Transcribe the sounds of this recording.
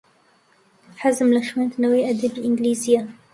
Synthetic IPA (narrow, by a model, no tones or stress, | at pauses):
ħazmlaʃwant̪nawiːʔad̪ibiʔɪnɡliːzɪjːa